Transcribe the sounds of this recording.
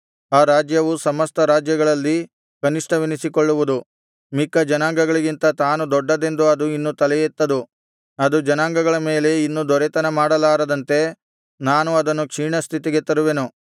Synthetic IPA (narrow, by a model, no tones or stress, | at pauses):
aːɾaːd͡ʒjɐʋusɐmɐst̪ʰɐɾaːd͡ʒjɐɡɐɭɐlːi | kɐniʂʈɐʋinisikoɭːuʋud̪u | mikːɐd͡ʒɐnaːŋɡɐɡɐɭiɡint̪ɐt̪aːnud̪ɔɖːɐd̪e̞nd̪uɐd̪uinːut̪ɐlɛjet̪ːɐd̪u | ɐd̪ud͡ʒɐnaːŋɡɐɡɐɭɐme̞ːle̞inːud̪ɔɾet̪ɐnɐmaːɽɐlaːɾɐd̪ɐnt̪e̞ | naːnuɐd̪ɐnːukʂiːɳɐst̪ʰit̪iɡe̞t̪ɐɾuʋe̞nu